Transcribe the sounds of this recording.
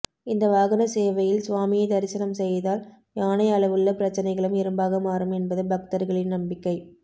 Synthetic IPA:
ɪnd̪ɐʋaːɣɐnɐseːʋɐjɪlsʋaːmɪjɐɪd̪ɐɾɪsɐnɐmsɛjðaːl | jaːnɐɪɐɭɐʋɯɭːɐpɪɾɐt͡ʃːɐnɐɪɣɐɭɯmɪɾɯmbaːɣɐmaːɾɯmɛnbɐðɯbɐk̚t̪ɐɾɣɐɭɪnnɐmbɪkːɐɪ

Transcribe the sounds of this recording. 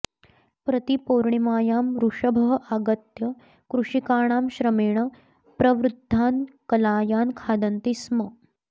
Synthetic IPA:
pɾət̪ipoɾɳimaːjaːmɾuʂɐbʱɐɦʔaɡət̪jɐ | kɾuʂikaːɳ̃aːmɕɾəmeːɳ̃ɐ | pɾɐʋɾud̪ʱːaːnkɐlaːjaːnkʰaːd̪ɐnt̪ismə

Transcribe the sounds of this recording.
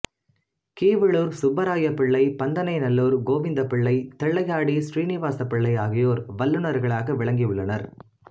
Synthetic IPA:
kiːʋɪɭoːɾsʊbɐɾaːjɐpːɪɭːɐɪpɐnd̪ɐnɐɪnɐlːoːɾɡoːʋɪnd̪ɐpːɪɭːɐɪt̪ɛɭːɐjaːɽisɾiːnɪʋaːsɐpːɪɭːɐɪaːɣɪjoːɾʋɐlːɯnɐɾɣɐɭaːɣɐʋɪɭɐŋɡɪjɯɭːɐnɐɾ

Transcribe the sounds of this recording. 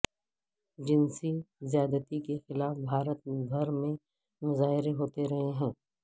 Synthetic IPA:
d͡ʒɪnsizɪjaːd̪ət̪ikexɪlaːfbʱaːɾət̪ɡʱɐɾmẽ | mʊzaːɦɪɾeɦoːt̪eɾɐɦeɦɛ̃ː

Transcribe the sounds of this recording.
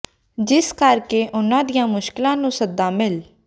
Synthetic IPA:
d͡ʒɪskəɾkeːʔʊnãːd̪ijãːmʊʃkɪlãːnũːsəd̪ːãːmɪl

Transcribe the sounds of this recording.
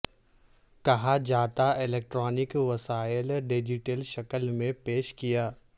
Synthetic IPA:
kɐɦad͡ʒaːt̪aɪleːk̚ʈɾɔːnɪkʋɐsaːjəlɖɪd͡ʒɪʈəlʃɐkəlmẽpeːʃkijaː

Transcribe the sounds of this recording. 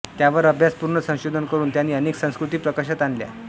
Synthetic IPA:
t̪jaʋəɾəbʱjaspuɾɳəsə̃w̃ɕod̪ʱənkəɾuːnt̪janːiːəneksə̃w̃skɾut̪iːpɾəkaɕat̪anlja̰

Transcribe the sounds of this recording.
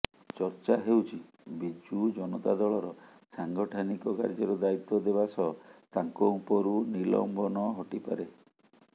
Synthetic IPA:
t͡ʃɔɾt͡ʃaɦewt͡ʃʰi | bid͡ʒud͡ʒɔnɔt̪ad̪ɔɭɔɾɔ | saŋɡɔʈʰanikɔka̰ɾd͡ʒɔɾɔd̪ait̪ːɔd̪ebasɔt̪aŋkɔupɔɾunilɔ̰mbɔnɔɦɔʈipa̰ɾe

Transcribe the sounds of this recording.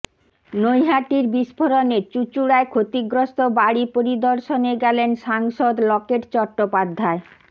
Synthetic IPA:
nojɦaʈiɾbiʃpʰoɾonet͡ɕut͡ɕuɽaekʰot̪iɡɾost̪obaɽipoɾid̪oɾʃoneɡɛlenʃaŋʃod̪lɔkeʈt͡ɕɔʈːopad̪ʱːae

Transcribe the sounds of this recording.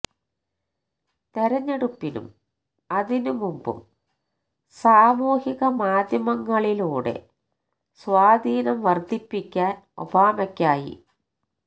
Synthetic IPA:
t̪eɾɐɲːeɽupːinṵm | ɐðinumumbṵm | saːmuːhiɣɐmaːd̪jɐmɐŋːɐɭiluːɽḛ | sʋaːd̪iːnɐmʋɐrd̪ʱipːikʲːaːn | o̰baːmɐkʲːaːjḭ

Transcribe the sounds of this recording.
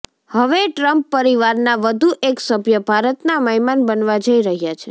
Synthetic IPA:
həʋeʈɾəmpːəɾiʋaɾnaʋəd̪ʱuʔeksəbjəbʱaɾət̪naməɦimanbənʋad͡ʒəiɾəɦjat͡ʃʰe

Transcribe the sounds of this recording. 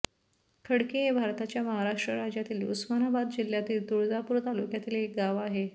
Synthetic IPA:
kʰəɽkeɦebʱaɾt̪at͡ɕjaməɦaɾaʂʈɾəɾad͡ʑjat̪iːlṵsmanabad̪d͡ʑil̤jat̪iːld̪uɽd͡zapuɾt̪alukjat̪iːlek̚ɡaʋaɦe

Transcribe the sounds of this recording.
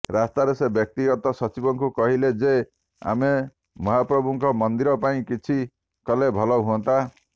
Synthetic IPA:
ɾast̪aɾesebjɔk̚t̪iɡɔt̪ɔsɔt͡ʃibɔŋkukɔɦiled͡ʒe | a̰me | mɔɦapɾɔbʱuŋkɔmɔnd̪iɾɔpaĩkit͡ʃʰi | kɔlebʱɔlɔɦuɔnt̪a

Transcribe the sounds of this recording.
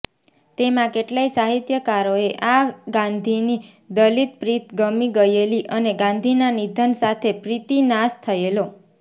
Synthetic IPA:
t̪emãkeʈlaisaɦit̪jəkaɾoeʔaɡãnd̪ʱini | d̪əlit̪pɾit̪ɡəmiɡəjeliʔəneɡãnd̪ʱinanid̪ʱənsat̪ʰepɾit̪inast̪ʰəelo

